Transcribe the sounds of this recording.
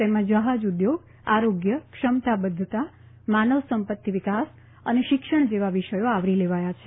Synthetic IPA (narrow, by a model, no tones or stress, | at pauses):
t̪emãd͡ʒəɦad͡ʒud̪joɡ̚ | aɾoɡjəkʃəmt̪abəd̪ʱːət̪a | manəʋsəmpət̪ːiʋikas | əneʃɪkʃəɳ̃d͡ʒeʋaʋiʃəjoaʋɾileʋajat͡ʃʰe̥